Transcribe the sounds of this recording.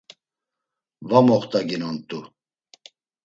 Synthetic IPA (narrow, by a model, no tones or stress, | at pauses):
vamɔχt̪ʼaɡinɔnt̪ʼu